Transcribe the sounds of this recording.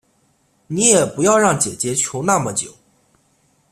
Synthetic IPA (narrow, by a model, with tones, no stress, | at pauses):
ni˧˥jɛ˨˩pu˧˥jɑ˥˧ʊɻɑ˥˩ŋt͡ɕjɛ˨˩t͡ɕjɛ˧˥t͡ɕʰjo˧˥ʊna˥˩mə˨˩t͡ɕjo˨˩˦ʊ